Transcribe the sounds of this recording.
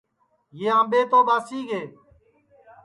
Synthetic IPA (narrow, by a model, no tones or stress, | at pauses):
jeːãːɓeːt̪oːɓaːsiːɡeː